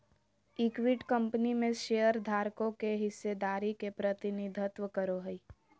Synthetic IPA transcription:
ɪkwiʈkə̃mpnimẽʃejəɾd̪ʱaːɾkõkeɦɪsːed̪aːɾikepɾət̪ɪnɪd̪ʱət̪ʋəkəɾoɦi

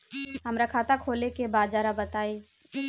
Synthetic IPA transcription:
ɦəmɾakʰaːt̪akʰoːlekebaːd͡ʒaːɾabət̪aːi

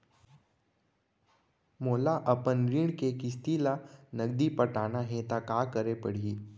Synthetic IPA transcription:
molaʔəpənɾiːɳkekist̪ilanəɡd̪ipəʈanaɦẽt̪akakəɾepəɽ̤iː

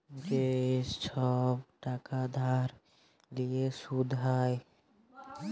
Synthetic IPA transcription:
d͡ʒest͡ʃʰɔbʈakad̪ʱaɾ | liesud̪ʱɦaj

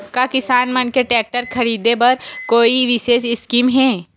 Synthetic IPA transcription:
kakɪsaːnmɐnkeʈɛːk̚ʈəɾkʰɐɾiːd̪ebɐɾkoːiʋɪʃeːsɪskiːmɦɛː

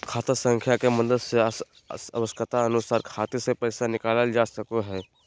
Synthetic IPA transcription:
kʰaːt̪əsə̃ŋkʰjakemɐ̃nd̪əɾses | səʋəsk̪ət̪aənʊsaːɾkʰaːt̪isepɛːsanɪkaːləld͡ʒaːsəkoɦɛː

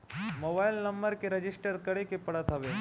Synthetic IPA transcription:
moːbajlnəmbəɾkeɾɐd͡ʒɪsʈəɾkəɽekepɐɽət̪ʰɦɐʋe

